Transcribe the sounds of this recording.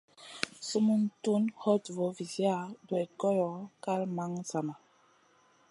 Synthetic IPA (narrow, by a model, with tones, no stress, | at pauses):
su˦mu˦ntu˦nhɔ˦tvɔ˨vi˨zi˦a˦dwɛ˨kɔ˦jɔ˨˦ka˦lma˦ŋza˨ma˨